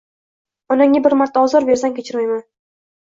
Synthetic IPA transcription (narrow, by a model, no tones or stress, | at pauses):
ɒnaŋʲːabɪɾmaɾt̪ʰːaɒzɒɾbe̞ɾsankʲet͡ʃʰɪɾmajman